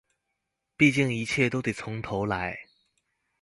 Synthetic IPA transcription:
pi˥˧t͡ɕi˥˩ŋi˧˥t͡ɕʰjɛ˥˩t̪o˥ʊt̪e˨˩t͡sʰʊ˧˥ŋt̪ʰo˧˥ʊla˧˥ɪ

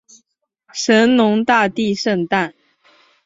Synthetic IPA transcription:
ʂə˧˥nnʊ˧˥ŋt̪a˥˧t̪i˥˧ʂə˥˧ŋt̪a˥˩n

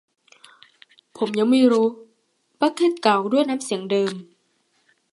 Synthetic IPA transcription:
pʰo˩˦mɲa˧˥ŋmiː˧˥˩ɾuː˦˥ | pa˦˥kʰːe˧˥˩t̪̚ka˨˩wdu˥˩əjna˦˥msi˨˩˦əŋdɤː˧m

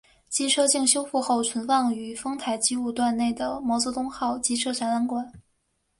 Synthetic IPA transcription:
t͡ɕi˥˩ʈ͡ʂʰɤ˥t͡ɕi˥˧ŋɕjo˥ʊfu˥˧xo˥˩ʊt͡sʰwə˧˥nfɑ˥˩ŋy˨˩fɤ˥ŋt̪ʰa˨˩ɪt͡ɕi˥u˥˧t̪wa˥˧nne˥˩ɪd̪ə˩mɑ˧˥t͡sɤ˧˥t̪ʊ˥ŋxɑ˥˩ʊt͡ɕi˧˥ʈ͡ʂʰɤ˥˩ʂa˧˥nla˧˥nkwa˨˩˦n

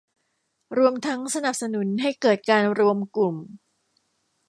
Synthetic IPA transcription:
ɾu˧əmt̪ʰa˦˥ŋsa˧na˨˩p̚sa˧nu˩˦nɦa˥˩jkɤː˨˩t̪̚kaː˧nɾu˧əmklu˨˩m

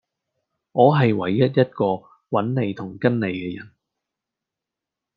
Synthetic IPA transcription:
ŋɔː˨˧ɦɐ˨jwɐ˨˥jːɐ˥t̚jɐ˥t̚kɔː˧ | wɐ˨˥nne˨˧jt̪ʰʊ˨˩ŋkɐ˥nle˨˧jkɛː˧jɐ̰˨˩n

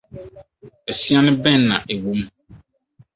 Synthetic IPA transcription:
ɛ˨si˦a˦nɪ̃˦bɛ̃˦˨nː˦ã̰˨ʔe˨wu˦m

